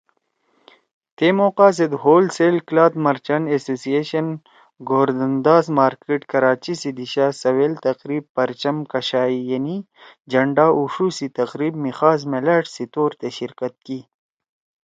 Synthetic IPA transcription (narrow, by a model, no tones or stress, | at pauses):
t̪eːmoːqaːs̬ed̪ɦoːlseːlklaːt̪mɐɾt͡ɕɐnesoːsieɕɐn | ɡoːɾd̪ɐnd̪aːzmaːɾkeːʈkɐɾaːt͡ɕisid̪iɕaːsɐwelt̪ɐqɾiːb̚pɐɾt͡ʃɐmkɐɕaːijɐni | d͡ʒɐɳɖaːʔuʂusit̪ɐqɾiːbmixaːzmelaːʈsit̪oːɾt̪eɕiɾkɐt̪̚ki